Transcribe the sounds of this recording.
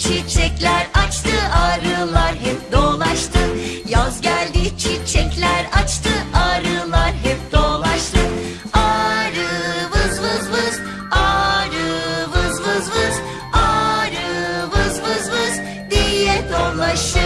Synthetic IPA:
t͡ʃʰit͡ʃʰɛclʲæɾat͡ʃt̪ʰɯʔaːɾɯlˠaɾɦɛp̚d̪oːlˠaʃt̪ʰɯjazɟælʲd̪it͡ʃʰit͡ʃʰɛclʲæɾat͡ʃt̪ʰɯaːɾɯlˠaɾɦɛp̚d̪olˠaʃt̪ʰɯn | aɾɯvɯzvɯzmɯz̥ | aɾɯvɯzvɯzmɯz̥ | aɾɯvɯzmɯzmɯz | d̪ijɛd̪o̞lˠaʃt̪ʰɯ

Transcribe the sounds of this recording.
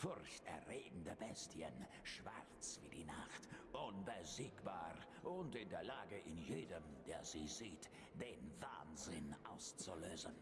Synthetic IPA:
fʊʁçtɛɐʁeːɡŋ̩dəbɛstjə̰n | ʃv̥a̰ʁt͡sv̥iːdiːna̰xtʔʊnbəziːkb̥aːʁ | ʔʊntɪndeːɐlaːɡəʔɪnjeːdəmd̥eːɐziːziːt | d̥eːnva̰ːnzɪnʔaʊst͡suløːzən

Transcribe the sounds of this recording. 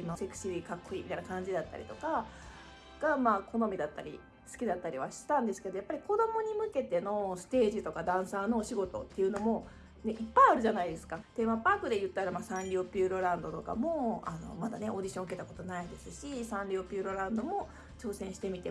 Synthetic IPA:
imase̞kɯ̟̥ɕiɾʲikakːoiːmʲit̪ainakãɲ̟d͡ʑid̪at̪ːa̰ɾʲḭt̪o̞ka | ɡ̥amaːkʰo̞no̞mʲid̪at̪ːa̰ɾʲḭ | sɨ̥kʲid̪at̪ːaɾʲiβaɕi̥t̪ãnd̪e̞sɨ̥ke̞d̪ojapːaɾʲiko̞d̪o̞mo̞ɲ̟imɯ̟ke̞t̪e̞no̞sɨ̥t̪e̞ːʑit̪o̞kad̪ãɰ̃sano̞ːɕiɡo̞t̪o̞̰t̪ːe̞iɯ̟no̞mo̞ | neʔipːaiaɾɯ̟ʑanaid̪e̞sɨ̥kat̪e̞mapaːkɯ̟d̪e̞jɯ̟t̪ːaɾamasãnɾʲiopʲiːɾo̞ɾãnd̪o̞t̪o̞ka̰mo̞ano̞̰mad̪ane̞ʔo̞d̪ʲiɕõke̞t̪ako̞t̪o̞naid̪e̞sɨɕisãnɾʲiopʲɨːɾo̞ɾãnd̪o̞mo̞ | t͡ɕo̞ːsẽ̞ɰ̃ɕi̥t̪e̞mʲit̪e̞

